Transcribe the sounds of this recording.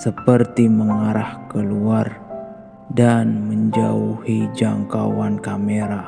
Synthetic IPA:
səpərt̪iməŋaɾʔahkəluar | danməɲd͡ʒauhid͡ʒaŋka̰wankameɾa

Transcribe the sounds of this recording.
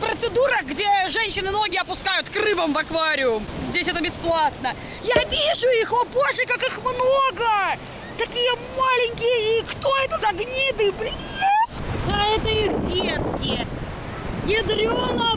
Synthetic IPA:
pɾət̪sɨd̪uɾəxɡdʲeʐɛnʲɕːɪnɨno̞ɡʲɪɐpʊskajʊt̪krɨbəmvɐkvaɾʲɪʊmzʲdʲesʲɛt̪əbʲɪsplˠat̪nə | javʲiʐʊixoboʐəkakɨxmnoɡə | t̪ɐkʲijəmalʲɪnʲkʲɪjəikt̪oɛt̪əzɐɡnʲid̪ɨblʲed̪aɛt̪əiɣdʲet̪kʲɪə | jʲɪd̪ɾʲonə

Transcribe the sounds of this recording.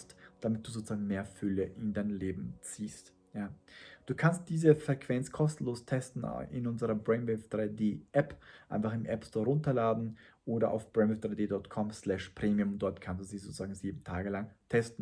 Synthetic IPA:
std̥amɪt̚d̥uːzoːt͡sz̥aːɡŋ̩meːɐfʏləʔɪndaɪnleːbm̩t͡siːst | jaːd̥uːkʰanst̚d̥iːzəfʁ̥ɛkʰv̥ɛnt͡skʰɔstn̩loːstʰɛstn̩̰ɪ̰nʊnzəʁɐbʁɛɪnbɛfd̥ʁaɪdeːʔɛpʔa̰ɪnfaχɪmʔɛpstʰɔːɐʁʊntɐlaːdn̩ʔoːɾɐʔa̰ʊfb̥ʁɛnɛfd̥ʁaɪdeːdɔɐtkʰɔmslɛʃpʁ̥eːmiʊmnd̥ɔɐtkʰansd̥uːziːzot͡suzaːɡŋ̩ziːbm̩tʰaːɡəlaŋtʰɛstn̩

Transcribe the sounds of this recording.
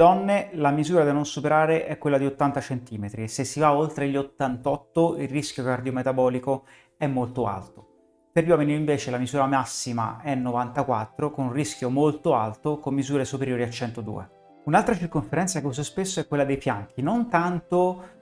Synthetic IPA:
d̪ɔnːelamizuːɾad̪inːonsupeɾaːɾeʔɛkːwelːad̪iot̪ːant̪at͡ʃent̪iːmet̪ɾiesesːivaolt̪ɾeʎːot̪ːant̪ɔt̪ːoilriskjokard̪iomet̪abɔːliko | ɛmːolt̪oa̰lt̪o̥ | peɾʎwɔːminiĩɱveːt͡ʃelamizuːɾamasːima̰ɛnːovant̪akwat̪ːɾokonunrisk̟jomolt̪oalt̪okomːizuːɾesupeɾjoːɾiat͡ʃːɛnt̪od̪ṵːḛ | unalt̪ɾat͡ʃirkoɱfeɾɛnt̪sakeususpesːoɛkːwelːad̪ejpjaŋk̟inont̪ant̪o

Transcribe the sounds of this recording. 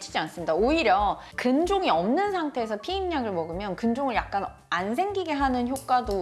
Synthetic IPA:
t͡ɕʰid͡ʑiansɯmɲidaoiɾjʌ | kɯnd͡ʑoŋiʌmnɯnsʰaŋtʰe̞ːs̬ʰʌpʰiinɲaɡɯɭmʌɡɯmjʌnkɯnd͡ʑoŋɯɭjak̚k͈an | ans̬ʰe̞ŋɡiɡe̞ɦanɯnçjok͈̚ado

